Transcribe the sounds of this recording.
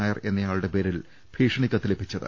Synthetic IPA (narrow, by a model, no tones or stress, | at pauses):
aːjɐre̞nːɐjaːɭuɽe̞pe̞ːɾil | b̥ʱiːʂɐɳikʲːɐt̪ːilepːit͡ɕːɐðɨ̰